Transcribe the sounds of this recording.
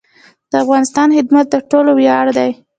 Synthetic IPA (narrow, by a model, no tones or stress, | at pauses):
d̪̥əafɣɑnɪst̪ɑnhɪd̪mat̪̚d̪əʈolowjɑɽd̪aj